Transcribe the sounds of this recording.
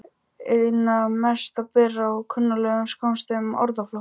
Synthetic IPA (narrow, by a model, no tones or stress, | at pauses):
eðnamɛst̪apɛːraɔkʰʏnːalœːɣʏmskawnmst̪ɪmɔɾðaflɔ